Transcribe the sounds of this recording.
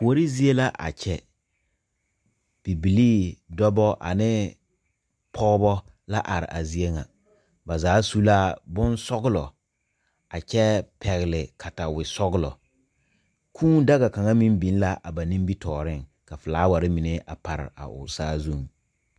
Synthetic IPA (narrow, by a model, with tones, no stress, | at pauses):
ko˨ɾi˦zi˦e˦la˦ʔa̰˨t͡ʃɛ˦ | b̥i˨bi˨liː˦dɔ˦bɔ˦ʔa̰˨nɪ˦ | pʰɔ˦bɔ˦ | la˦ʔa˨ɾɪ̰˨ʔa˨zi˦e˦ŋa̰˨ | ba˨zaː˨˦su˦la˦bʊ˦nsɔ˦ɣʊ˦lɔ˨ | a˨t͡ʃɛ˦pʰɛ˨ɣɪ˨lɪ˨kʰa˨ta˨wɪ˨sɔ˦ɡʊ˦lɔ̰˨ | kʰuː˦n˦da˦ɣa˨ka˨ŋa˦mĩ˦mbi˨˦n˦la˦ʔa˨ba˨nĩ˦mbi˦tɔː˨ɾɪ˦ŋ | ka˨fɪ˨laː˦wa˨ɾɪ˦mɪ˨ne˦ʔa̰˨pa˨ɾɪ̰˨a̰˨ʔʊ̰˨saː˦zu˦˨ŋ